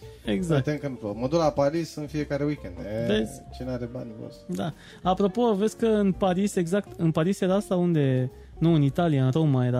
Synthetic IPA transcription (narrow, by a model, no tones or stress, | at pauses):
eɡzakt̪eŋkɨnploməd̪uɾapaɾisɨnfije̞kaɾewikʲend̪ed̪ezt͡ʃeneaɾeba̰nʲvo̰sd̪a | apɾo̞po̞vesʲkəɨnpaɾise̞ɡzakt̪ɨnpaɾisjeɾaast̪aund̪e̞ | nuɨnit̪alijaɨnɾomajeɾa